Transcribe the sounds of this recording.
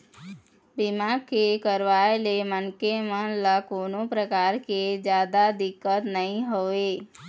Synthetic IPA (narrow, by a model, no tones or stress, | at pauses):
bɪmaːɡ̚kekəɾʋaːelemənkemə̃ləkoːnõpɾəkaːɾked͡ʒjaːd̪ad̪ɪkːət̪nəɦĩɦoeː